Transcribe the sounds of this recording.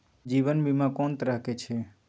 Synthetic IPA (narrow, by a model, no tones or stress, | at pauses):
d͡ʒiʋənbʱimãkɔ̃nt̪ɾakʰet͡ʃʰe